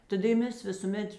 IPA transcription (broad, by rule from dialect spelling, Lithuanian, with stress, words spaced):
tɐˈdɐ ɪ ˈmʲɛs ʋʲɪsuːˈmʲɛt